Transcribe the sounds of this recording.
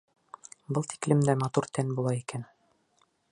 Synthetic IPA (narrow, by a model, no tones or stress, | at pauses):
bɤlˠt̪i̥klɘ̆md̪æmɑt̪uɾt̪ʰænbulˠɑikæn